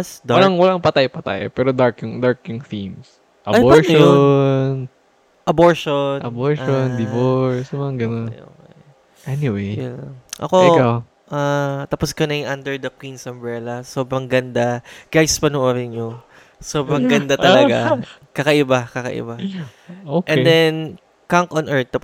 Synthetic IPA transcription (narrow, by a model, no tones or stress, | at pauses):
sd̪awɐlaŋwɐlaŋpɐt̪ajpɐt̪a̰ːjo̰pɛːɾod̪aɹkjʊŋd̪aɹkjʊŋθims | ʔɐboɹʃon | ʔɐboɹʃonɐboɹʃond̪ɪboɹsɐmɐɐɡɐnonjo̰ɛ | ʔɛniwejʔɐ̰kokaw | ʔat̪ɐposkɐnɐjʔand̪ɛɹd̪ɐkwinsɐmbɹɛlɐsoːbɾɐŋɡɐnd̪aɡ̥ajspɐnʊʔoɾɪnɲo | soːbɾɐŋɡɐnd̪aʔt̪ɐlɐɡa | kɐkɐʔɪbakɐkɐ̰ʔɪ̰ba | okʔɛnd̪ɛn | kaŋkʔonʔɛɹt̪ːɐp